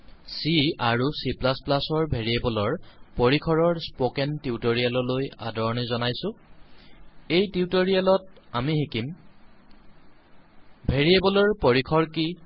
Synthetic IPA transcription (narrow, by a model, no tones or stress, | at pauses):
siaɹusiplasplasɔɹbʱeɹiebɔlɔɹpoɹikʰɔɹɔɹspokɛntiutoɹialɔloja̰dɔɹɔnizɔnajsʊ̃ | ejtiutoɹijalɔt̚amixikim | bʱeɹiebɔlɔɹpoɹikʰɔɹki